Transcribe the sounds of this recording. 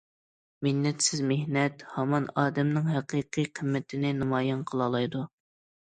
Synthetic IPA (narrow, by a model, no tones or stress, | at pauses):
mɪnnːɛt̪sɪzmehnɛt̪hɑmɑnɑːd̪ɛmnɪŋɦæqiːqʰijqʰəmːɪt̪ʰɪnɪnɑmɑːjɑnqʰəlˠɑlˠɑjd̪u